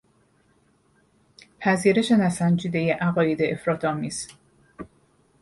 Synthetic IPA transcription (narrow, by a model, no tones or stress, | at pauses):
pʰæziːɾe̞ʃe̞næsænd͡ʒiːd̪e̞jeʔæɣɒːjed̪e̞ʔefɾɒːt̪ʰɒːmiːz̥